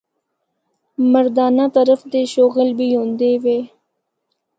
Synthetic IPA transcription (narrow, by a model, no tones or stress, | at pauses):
məɾd̪ɑːnat̪aɾəfd̪eʃoɣɪlbijond̪ewe